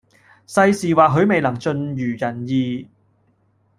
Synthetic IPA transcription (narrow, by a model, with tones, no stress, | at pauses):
sɐ˧jsiː˨waː˨ɦɵ˨˧˥ɥme˨jlɐ˨˩ŋt͡ʃɵ˧njyː˨˩jɐ˨˩njiː˨˧